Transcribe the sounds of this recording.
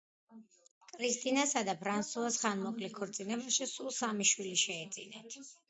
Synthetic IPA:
kʼɾist̪ʼinasad̪apʰɾansuasχanmɔkʼlikʰɔɾt̪sʼinɛbaʃisulˠsamiʃwiliʃɛːd̪sʼḭnɛt̪ʰ

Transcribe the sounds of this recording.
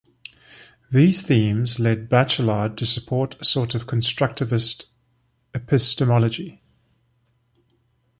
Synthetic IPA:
ðiːz̥θĩːmzlɛd̚bat͡ʃəlɑːd̚tʰəsəpʰɔˑtʰəsɔˑtəv̥kʰə̃nstɹ̥ʌk̚tɪvɪst | ɪpʰɪstəmɒlˠəd͡ʒi

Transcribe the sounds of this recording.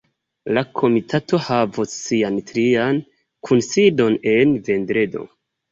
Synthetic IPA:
lakʰo̞mitʰato̞havosːiantɾian | kʰunsido̞ne̞nve̞ndɾe̞do̞̰

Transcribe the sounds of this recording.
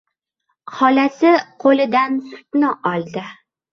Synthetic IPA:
hɒlasɪqʰolɪd̪ansʊ̥t̪nɪʔɒlˠd̪ɪ

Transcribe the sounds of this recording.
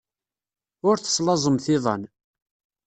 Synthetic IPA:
ʊɾθə̥sˤlɑzˤəmθɪðˤɑ̰n

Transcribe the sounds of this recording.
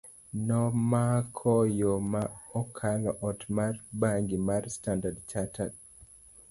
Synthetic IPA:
nɔmakʰɔjomaɔkʰalɔʔɔtmarbaŋɡimarstandadt͡ʃatʰad̚

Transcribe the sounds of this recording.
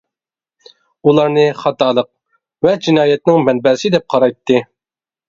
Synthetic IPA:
ulˠɑɾnɨχɑt̪ʰɑːlˠəq̚ | vɛd͡ʒinɑːjɛt̪̚nɪŋmɛnbɛɾsɪd̪ɛp̚qʰɑɾɑjt̪ʰːɨ

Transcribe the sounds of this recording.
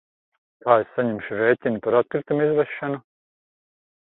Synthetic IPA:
t̪aːessaɲɛmʃiɾeːcʲinʲipaɾat̪̚kɾit̪umizvɛʃːanu

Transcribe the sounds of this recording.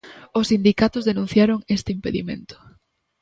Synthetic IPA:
ʊsind̪ikat̪ʊzðenũn̟θjaɾoŋest̪ɪimpeðḭmḛ̃nt̪ʊ̥

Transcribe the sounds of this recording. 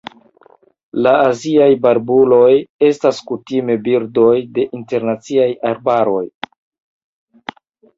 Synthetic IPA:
laːziajbaɾbulo̞je̞staskutime̞biɾdo̞jde̞ʔinte̞ɾnat͡siajaɾbaɾo̞j

